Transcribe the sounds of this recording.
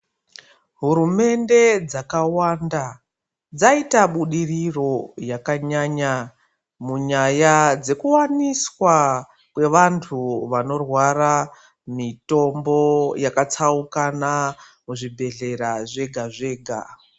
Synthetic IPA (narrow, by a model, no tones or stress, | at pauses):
ɦuɾume̞nde̞d͡zakawanda | d͡zaitaɓuɗiriro̞jakaɲaɲa | muɲajad͡ze̞kuwaniswa | kwe̞ʋantʰuʋano̞rwara | mito̞mbo̞jakat͡saukana | muʐibʱe̞ɮe̞ɾaʐe̞ɡʱaʐe̞ːɡʱa̰